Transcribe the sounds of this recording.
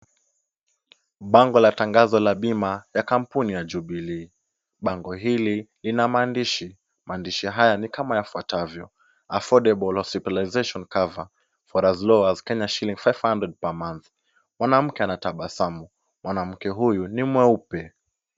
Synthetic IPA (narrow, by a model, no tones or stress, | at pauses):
ɓaŋɡɔlataŋɡazɔlaɓimajakam̩punijad͡ʒuɓili | ɓaŋɡɔɦililinamaːndiʃi | maːndiʃiɦajanikamajafuatʰavjɔ | afɔdɛbɔlhɔsitalaizeʃɔnkava | fɔɾazlɔazkɛɲaʃilĩŋɡfajv̥handɾɛd̚pamanθ | mwanam̩kɛanataɓasamu | mwʔanam̩kɛɦujunimwɛupɛ